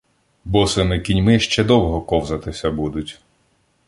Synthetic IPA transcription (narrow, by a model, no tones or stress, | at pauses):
bɔsɐmɪkʲinʲmɪʃt͡ʃɛd̪ɔwɦɔkɔwzɐt̪ɪsʲɐbud̪ʊtʲ